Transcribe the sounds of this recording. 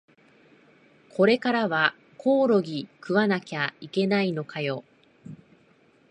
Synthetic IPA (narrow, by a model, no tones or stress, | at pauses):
kʰo̞ɾe̞kaɾaβa | kʰo̞ːɾo̞ɡʲikɯ̟βanakʲaike̞nainokajo̞